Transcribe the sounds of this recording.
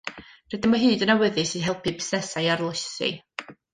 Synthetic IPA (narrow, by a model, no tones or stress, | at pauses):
rədənmɔɦɨːdənawəðɨsiɦɛlˠpʰɨbɪsnɛsajaɾlˠəsɨ̰